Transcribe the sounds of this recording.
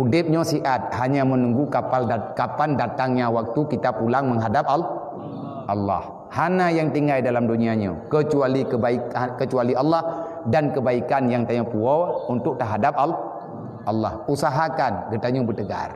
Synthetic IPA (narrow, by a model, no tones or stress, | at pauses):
udɪp̚ɲə̃siʔat̪̚haɲamənuŋɡukapalkapandat̪aŋɲawak̚t̪ukit̪apulaŋməŋɦadap̚al | ʔɑlːɑ̰h | hanajaŋt̪iŋɡajdalamduniaɲa̰kət͡ʃualikəbaikkət͡ʃualiʔalːɑh | dankəbaikanjaŋt̪aɲapuɔunt̪ʊk̚t̪ərɦadap̚al | ʔɑlːɑ̰husaɦakanɡət̪aɲubət̪əɡa̰r